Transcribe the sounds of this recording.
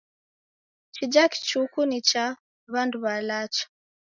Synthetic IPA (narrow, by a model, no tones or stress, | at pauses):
t͡ʃid͡ʒaki̥t͡ʃukunit͡ʃa | βanduβalat͡ʃḁ